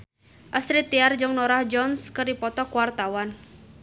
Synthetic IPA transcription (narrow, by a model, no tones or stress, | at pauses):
ʔasɾit̪iard͡ʒəŋnɔɾahd͡ʒɔnskɨrdipɔt̪ɔkwart̪awan